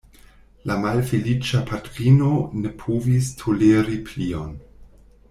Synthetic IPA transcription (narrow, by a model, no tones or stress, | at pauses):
lamalfelit͡ʃapʰatɾino̞ne̞pʰovistʰoleɾipʰlion